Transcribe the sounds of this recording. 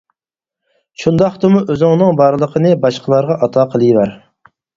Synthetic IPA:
ʃund̪ɑχt̪ɨmuʔøzɪŋnɨŋbɑɾlˠəqʰənɨbɑʃqʰəlˠɑɾʁɑʔɑt̪ʰɑːqʰəlˠɨjvæɾ

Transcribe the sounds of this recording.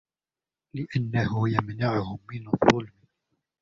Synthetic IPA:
lɪʔanːahʊjamnaʕʊhʊmːɪnðˤːʊlmɪ

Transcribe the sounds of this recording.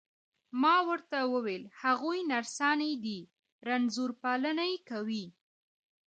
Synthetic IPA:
mɑwəɾt̪awəwelhaɣujnaɾsɑnajd̪i | ɾanzuɾpɑlənajekawi

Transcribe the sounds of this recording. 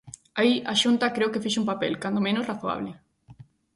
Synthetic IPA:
aiʔaʃunt̪ɐkɾewkefiʃumpapḛlkand̪omẽnʊsraθoa̰βlɪ

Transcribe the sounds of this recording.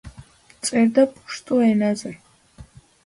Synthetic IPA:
t͡sʼɛɾd̪apʼuʃt̪ʼuɛnazɛ

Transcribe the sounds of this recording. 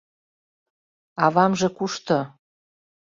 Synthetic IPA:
ɑβɑmʒĕkuʃt̪ŏ

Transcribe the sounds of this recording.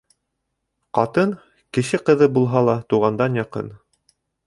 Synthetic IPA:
qɑt̪ɤn | kɘ̆ʃɘqɤ̆ðɤbulˠɦɑlˠɑt̪uʁɑnd̪ɑnjɑqɤ̰n

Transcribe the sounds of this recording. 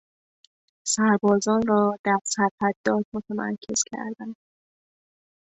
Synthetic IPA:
sæɾbɒːzɒːnrɒːd̪̥æɾsæɾfæd̪ːɒːt̪mot̪ʰæmæ̰ɾcʰe̞z̥cʰæ̰ɾd̪ænd̪̥

